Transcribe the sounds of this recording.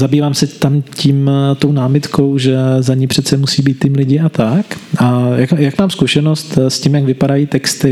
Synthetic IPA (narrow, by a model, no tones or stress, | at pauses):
zabiːvaːmsɛt̪amciːmt̪o̞wnaːmɪt̪kʰo̞wʒɛzaɲɪpr̥ɛt̪t͡sɛmusiːbiːt̪ːɪmlɪɟɪʔat̪akʔajakjakmaːmskuʃɛno̞st̪scimjaɡvɪpadajiːt̪ɛkst̪ɪ